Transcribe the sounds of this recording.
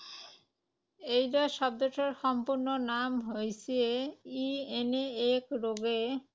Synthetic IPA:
ejɾaʃɔb̚d̪oʃʰeɾʃɔmpuɾnonamɦojsʰieieneekɾoɡe

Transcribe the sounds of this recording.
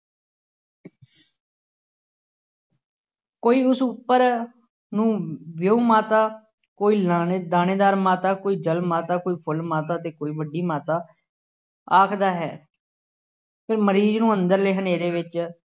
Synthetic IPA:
koːiːʊsʊpːəɾ | nũːʋjoːmaːt̪aː | koːiːlad̪aːneːd̪aːɾmaːt̪aːkoːiːd͡ʒəlmaːt̪aːkoːiːpʰʊlmaːt̪aːt̪eːkoːiːbəɖːiːmaːt̪aː | aːkʰd̪aːɦɛ̰ː | pʰɪɾməɾiːznũːənd̪əɾleːɦəneːɾeːʋɪt͡ʃ

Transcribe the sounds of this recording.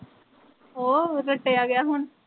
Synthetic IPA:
oːɾɐʈːeaːɡɐjaɦʊn

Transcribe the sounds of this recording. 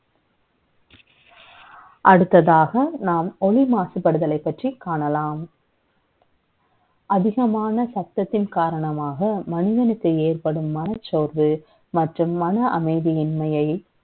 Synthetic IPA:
ʔɐɽɯt̪ːɐðaːɣɐnaːmɔlɪmaːsɯpːɐɽɯðɐlɐɪpːɐʈrikːaːɳɐlaːm | ʔɐðɪɣɐmaːnɐsɐp̚t̪ːɐt̪ːɪnkaːɾɐɳɐmaːɣɐmɐnɪðɐnɯkːɯeːrpɐɽɯmːɐnɐt͡ʃːoːɾʋɯ | mɐʈrɯmːɐnɐʔɐmɐɪðiɪnmɐjɐɪ

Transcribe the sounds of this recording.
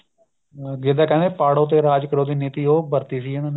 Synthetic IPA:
ɡɪd̪aːkɛ̃ːnd̪eːpaːɽoːt̪̬eːɾaːd͡ʒkəɾoːd̪iːniːt̪iːoːbəɾt̪iːsiːənãːne

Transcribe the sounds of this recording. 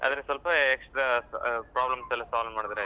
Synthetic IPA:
a̰ːd̪ɾeswɐlpɐeksʈɾapɾaːblɐmsɐlːɐsaːlmaːɽid̪ɐɾe

